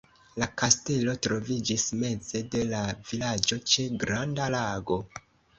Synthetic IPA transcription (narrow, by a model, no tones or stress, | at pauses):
lakaste̞lo̞tɾo̞vid͡ʒisme̞ze̞de̞lavilad͡ʒo̞t͡ʃe̞ɡɾandalaɡo̞